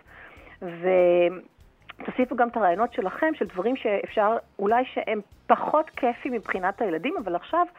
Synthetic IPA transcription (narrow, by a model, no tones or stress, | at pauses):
ve | t̪asifuɡamt̪aʁaːjo̞no̞tʃe̞laχe̞mʃeldvaʁimʃeefʃaʁulajʃeʔempaχo̞tkʰefimibχinathajeladimavalaχʃav